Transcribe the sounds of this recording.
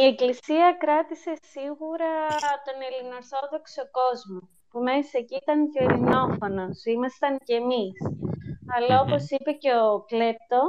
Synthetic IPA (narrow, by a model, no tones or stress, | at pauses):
ie̞klisiɐkɾɐt̪ise̞siɣuɾɐt̪o̞ne̞lino̞ɾθo̞ðo̞kso̞ko̞zmo | pume̞secit̪ɐnʝoilino̞fo̞no̞simɐst̪ɐncemisɐlɐopo̞sipe̞ce̞okle̞p̚t̪o̞